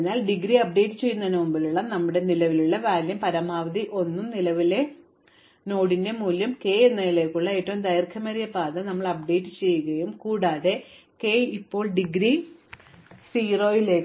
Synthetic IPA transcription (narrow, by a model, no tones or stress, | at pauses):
naːlɖiɡɾiɐp̚ɖe̞ːtːɨt͡ɕe̞jːunɐnɐmumbiluɭːɐnɐmːuɽe̞nilɐʋiluɭːɐʋaːljɐmpɐɾɐmaːʋɐd̪iʔo̞nːumnilɐʋile̞ | no̞ːɽinde̞muːljɐmke̞ːenːɐjile̞ːkːuɭːɐeːtːoːmd̪ɐjrkʰɐmɐɾijɐpaːðɐnɐmːɐɭɐp̚ɖe̞ːtːɨt͡ɕe̞jːuɣɐjumkuːɽaːðe̞ | ke̞ipːo̞ːɭɖiɡɾi | siːro̞ːjile̞ːkː